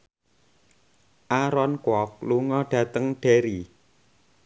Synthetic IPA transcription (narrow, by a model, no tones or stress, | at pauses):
ʔaɾɔnkwɔk̚luŋɔɖ̥ä̤t̪əŋɖ̥eɾi